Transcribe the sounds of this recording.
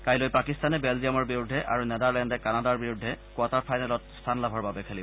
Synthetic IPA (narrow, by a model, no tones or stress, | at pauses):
kajlojpakistanɛbɛlziamɔɹbiɹudʱːɛʔa̰ɹunɛdaɹlɛndɛkanadaɹbiɹudʱːɛkuataɹpʰajnalɔt̚stʰanlabʱɔɹbabɛkʰɛlibɔ